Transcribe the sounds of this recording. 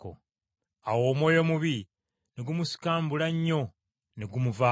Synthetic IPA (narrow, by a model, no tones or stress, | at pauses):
ko̰ | awo̞ːmwo̞ːjo̞muβi | neɡumusi̥kaːmbulaɲːo̞ | neɡumuva